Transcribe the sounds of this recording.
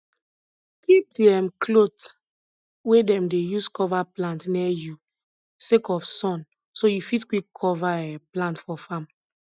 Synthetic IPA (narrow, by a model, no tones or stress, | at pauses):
kip̚diɛmkʰlot | wedɛ̃mdejuskɔvaplãntnɛju | sekɔfsɔ̃n | sojufitkwikʰːɔvaɛplãntfɔfãm